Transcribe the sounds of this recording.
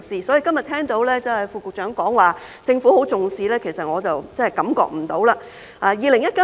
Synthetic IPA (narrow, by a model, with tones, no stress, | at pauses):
siː˧sɔː˨˥jiː˨˧kɐ˥mjɐ˨t̪ʰɛː˥ŋt̪o˨˥wlɛː˥t͡sɐ˨˧whɐ˨˩jfuː˧kʊ˨k̚t͡ʃœː˨˥ŋkɔː˨˥ŋwaː˨ | t͡sɪ˧ŋfuː˨˥ho˨˥wt͡sʊ˨ŋsiː˧lɛː˥kʰe˨˩jsɐ˨t̚ŋɔː˨˧t͡sɐ˨wt͡sɐ˥hɐ˨˩jkɐ˨˥mkɔ̰ː˧k̚m̩˨˩t̪o˨˥wlaː˧ | ʔaː˨˧jiː˨˧lɪ˨˩ŋjɐ˥t̚kɐ˦˥